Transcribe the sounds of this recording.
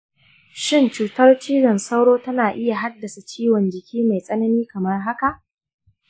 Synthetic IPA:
ʃɪ˦˨nt͡ʃuː˨tɐ˦rt͡ʃiː˦ɽɐ˨nsa˦wɽoː˦tɐ˦naː˨ʔɪ˦ja˨ɦa˦dːɐ˨sa˨t͡ʃiː˦wɔ˨nd͡ʒɪ˨kʲʰiː˦ma˨jsʼɐ˦nɐ˦niː˦kɐ˨mɐ˦rɦa˦ka˨ʔ

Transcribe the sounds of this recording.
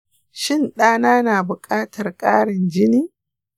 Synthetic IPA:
ʃɪ˦˨nɗaː˦naː˦naː˨bʊ˨kʼaː˦tʰɐ˨rkʼaː˦ɽɪ˨nd͡ʒɪ˦niː˦

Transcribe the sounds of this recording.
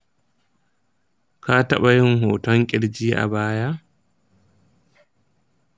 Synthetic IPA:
ka˦ta˦ɓa˨jɪ˦ŋhoː˨tɔ˦ŋkʲʼɪ˦ɽd͡ʒiː˦ʔa̰˨baː˦ja˦

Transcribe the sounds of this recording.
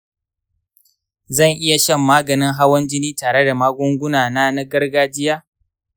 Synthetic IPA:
zɐ˦˨ŋʔɪ˦ja˨ʃɛ˦˨mːaː˦ɡɐ˨nɪ˦ŋɦa˦wɐ˦nd͡ʒɪ˦niː˦taː˨ɽe˦da˨maː˦ɡʷʊ˦ŋɡʷʊ˦naː˨naː˦na˦ɡɐ˦rɡaː˦d͡ʒɪ˦jaː˦

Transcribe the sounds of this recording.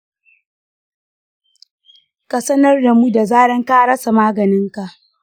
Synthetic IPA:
ka˨sɐ˦nɐ˦rda˨mu˦da˨zaː˦ɽɐ˦ŋkaː˦ɽɐ˦sa˨maː˦ɡɐ˨nɪ˦ŋka˨ʔ

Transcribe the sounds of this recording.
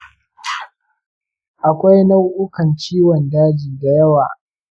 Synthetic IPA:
ʔa˨kʷa˦jna˦wʔʊ˦kɐ˨nt͡ʃiː˦wɔ˨ndaː˦d͡ʒi˨da˨jɐ˦wa̰ː˨

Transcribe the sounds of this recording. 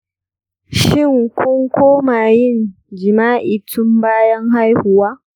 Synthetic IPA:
ʃɪ˦˨ŋkʷʰʊ˦ŋkʷoː˦maː˨jɪ˦˨n | d͡ʒɪ˨maː˦ʔi˨tʰʊ˦mbaː˦jɐ˦ŋɦa˦jhʊ˨waː˦

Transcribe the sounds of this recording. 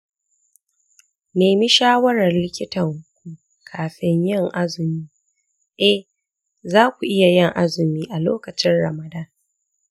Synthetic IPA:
neː˨mi˦ʃaː˦wɐ˦ɾɐ˨rlɪ˦kʲɪ˦tɐ˨ŋkʷu˦ | kʰaː˨ɸɪ˦ɲjɪ˦˨ŋʔa˦zɪ˨miː˦ | ʔɛ˦h | zaː˦kʷu˨ʔɪ˦ja˨jɪ˦ŋʔa˦zɪ˨miː˦ʔa˨lo̰ː˦kɐ˨t͡ʃɪ˦nɽɐ̰˨mɐ˨daː˦

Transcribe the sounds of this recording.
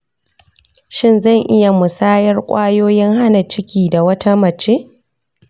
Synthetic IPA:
ʃɪ˦nzɐ˦˨ŋʔɪ˦ja˨mʊ˨saː˦jɐ˦rkʷʼaː˦joː˦jɪ˦ŋha˦na˨t͡ʃɪ˦kʲiː˨da˨wɐ˦tʰa˦mɐ˨t͡ʃeː˦ʔ

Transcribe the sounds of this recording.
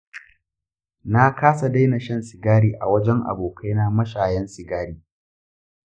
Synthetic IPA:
na˦kaː˦sa˨da˦jna˨ʃɐ˦˨nsɪ˨ɡaː˦ɽiː˨ʔa̰˨wɐ˦d͡ʒɛ˦ŋʔa̰˨boː˨kʰa˦jnaː˦mɐ˦ʃaː˨jɛ˦nsɪ˨ɡaː˦ɽiː˦

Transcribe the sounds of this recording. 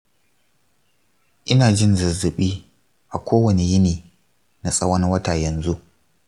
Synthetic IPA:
ʔɪ˦naː˨d͡ʒɪ˦nzɐ˨zɪ˨ɓiː˦ | ʔa˨kʷoː˦wɐ˨ne˨jɪ˦niː˨ | na˨sʼɐ˦wɐ˦n˦wɐ˦taː˨jɐ˨nzu˦ʔ

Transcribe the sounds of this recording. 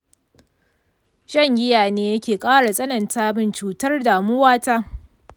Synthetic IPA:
ʃɐ˦ŋʔʲɪ˦jaː˨neː˦jɐ˦kʲeː˨kʼaː˦ɽa˨sʼɐ˦nɐ˨ntaː˦bɪ˦nt͡ʃuː˨tɐ˦rdaː˨mʊ˦waː˦taː˦

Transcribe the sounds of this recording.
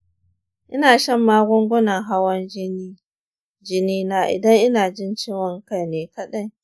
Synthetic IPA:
ʔɪ˦naː˨ʃɐ˦mːaː˦ɡʷʊ˦ŋɡʷʊ˦nɐ˨ŋɦa˦wɐ˦n˦i˦ | d͡ʒɪ˦niː˦naː˦ʔɪ̰˨dɐ˦ŋʔɪ˦naː˨d͡ʒɪ˦nt͡ʃiː˦wɐ˨ŋkɐ˦˨jneː˨kɐ˦ɗɐ˦j

